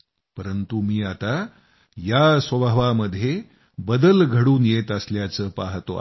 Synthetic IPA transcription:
pəɾənt̪umiːat̪a | jasʋəbʱʋaməd̪ʱːje | bəd̪əlɡʱəɽuːnjet̪əsljat͡səːpaɦt̪o̰

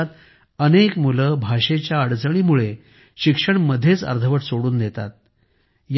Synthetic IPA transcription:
at̪ | ənekmuləːbʱaʂet͡ɕjaəɽd͡zəɽ̃iːmuɭe | ɕikʂəɳməd̪ʱːjet͡sə̰ɾd̪ʱʰəʋəʈsoɽuːnd̪et̪a̰t̪̚ | j

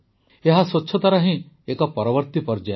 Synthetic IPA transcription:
eɦaswɔtːt͡ʃʰɔt̪aɾaɦĩ | ekɔpɔɾɔʋəɾt̪ipɔɾd͡ʒe

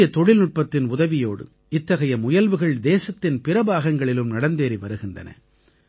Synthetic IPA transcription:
jɐt̪ɔɻɪlnʊʈ̚pɐt̪ːɪnʊðɐʋɪjoːɽɯ̰ | ɪt̪ːɐɣɐjɐmʊjɐlʋɯɣɐɭd̪eːsɐt̪ːɪnpɪɾɐbaːɣɐŋɡɐɭɪlɯmnɐɽɐnd̪eːɾiʋɐɾɯɣɪndrɐ̰nɐ̰

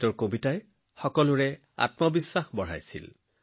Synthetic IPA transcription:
tɔɹkobitaj | xɔkɔlʊɹɛ | a̰tmɔbisːaxbɔɹa̰jsḭl

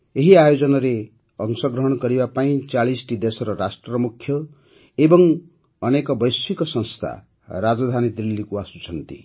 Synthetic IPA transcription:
eɦiajod͡zʌnaɾe | ʌŋsʌɡɾʌɦʌɽ̃kʌɾibapaĩt͡saɭisʈid̪esʌɾʌɾasʈrʌmukʰːjʌ | ebʌŋ | ʌnekɔbʌjsikɔsʌ̃ŋst̪ʰa̰ | ɾad͡zɔd̪ʱanid̪ɾilːikuasut͡sʰʌnt̪ḭ

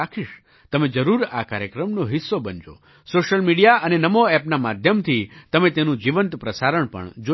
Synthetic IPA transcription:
akʰiʃ | t̪əmẽd͡ʒəɾuɾa̰kaɾjəkɾəmnoɦɪsːobənd͡ʒo̰ | soʃəlmiɽijaʔənenəmoɛpnamad̪ʱjəmt̪ʰit̪əmẽt̪enũd͡ʒiʋənt̪pɾəsaɾəɳpə̰ɳd͡ʒo

